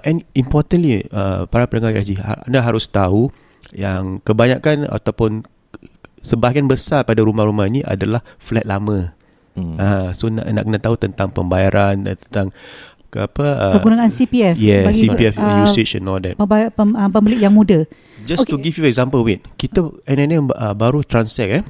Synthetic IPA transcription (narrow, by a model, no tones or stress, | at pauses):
ʔɛ̃nimpɔt̪ə̃nliə̰paɾapənəŋaʔa̰d͡ʒia̰a̰naɦaɾʊst̪au | jaŋkəbaɲãʔkana̰t̪awpʊn | səbakanbəsapadaɾumahɾumahiniʔa̰dalahflɛt̪̚lamə̃ | asona̰ʔna̰ʔkənat̪aut̪ənt̪aŋpə̰mbajaɾʔant̪ənt̪aŋ | kəapəəkəɡuɾaŋansipiɛfjɛsipiɛfiseʃə̃nɔldɛ̰t̚əbəəpəmbəlɪʔjaŋmũdə | d͡ʒast̪uɡifjuɛk̚zãmpəlwit̪̚kit̪əɛnɛnɛ̃məbaɾut̪ɾansɛk̚ɛ